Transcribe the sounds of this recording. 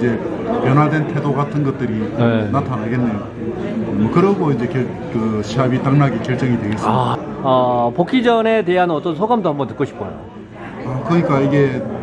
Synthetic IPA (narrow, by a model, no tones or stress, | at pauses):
d͡ʑe̞ | pjʌnɦaɭdwe̞ntʰe̞doɡatʰɯnɡʌt̚t͈ɯɾikenatʰanaɡe̞nːe̞jo | mʌkɯɾʌɡoind͡ʑe̞kjʌ | kɯɕʰiɦabit͈aŋnaɡekjʌɭt͡ɕ͈ʌŋidwe̞ɡes͈aʌpokʰid͡ʑʌne̞te̞ɦanʌt͈ʌnsʰoɡamdohambʌntʰɯ̥k͈oɕʰi̥p͈o̰jo̰ | akɯɲik͈aiɡe̞